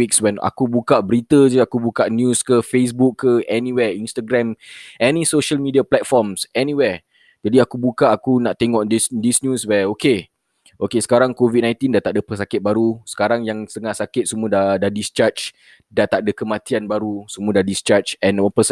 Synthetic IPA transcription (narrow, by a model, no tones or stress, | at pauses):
ikswɛna̰kubukaʔbəɾit̪əd͡ʒəakubukaʔnjũskəfes̬bukʰːəɛniwɛinst̪aɡɾɛ̃mʔɛnĩsoʃəlmidiaplɛt̪̚fɔmsɛniwɛ | d͡ʒadiakubukaʔakunaʔt̪eŋɔʔdisdisnjuswɛoke | ʔokesə̥kaɾaŋkovit̪̚nãj̃nt̪indat̪aʔdəpəs̬akɪt̪̚baɾusə̥kaɾaŋjaŋsəŋaʔsakɪt̪̚sumuədadadist͡ʃat͡ʃ | dat̪aʔ̚dəkəmãt̪ianbaɾusumuədadist͡ʃat͡ʃɛ̃nanpəs